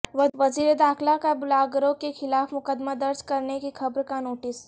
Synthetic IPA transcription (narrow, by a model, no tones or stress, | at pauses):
ʋɐʋɐziːɾed̪aːkʰlakabʊlaːɡɾõkexɪlaːfmʊkəd̪mad̪ɐɾd͡ʒkɐɾnekixʰɐbɾkanoːʈɪs